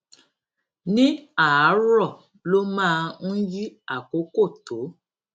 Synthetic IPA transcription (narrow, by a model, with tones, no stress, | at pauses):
nĩ˦a˨a˨˦ɾɔ˦˨ | lo˦mãː˦˧n̩˦ji˦a˦˨ko˨˦ko˦˨to˨˦